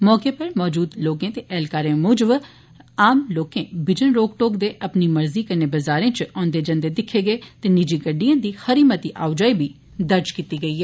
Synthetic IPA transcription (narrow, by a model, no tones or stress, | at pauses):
mɔːkepəɾmɔːd͡ʒuːd̪loːkẽːt̪eʔɛːlkaːɾẽmʊːd͡ʒəb | aːmloːkẽbɪd͡ʒənɾoːɡʈoːkd̪eːʔɐpnimɐɾziːkɐɾneːbɐzaːɾẽːt͡ʃɔ̃ːnd̪eːd͡ʒɐ̃nd̪ed̪ɪkʰːeɡəet̪eːnɪd͡ʒiːɡəɖijãːd̪iːxəɾiːmət̪iʔaːʋd͡ʒaːibʱiː | d̪əɾd͡ʒkiːt̪iːɡəiːɦɛː